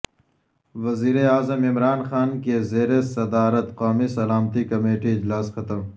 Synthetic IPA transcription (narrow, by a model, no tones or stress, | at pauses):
ʋɐziːɾeaːzəmɪmɾaːnxaːnkezeːɾesɐd̪aːɾət̪qoːmisɐlaːmt̪ikɐmeːʈiɪd͡ʑlaːsxɐt̪əm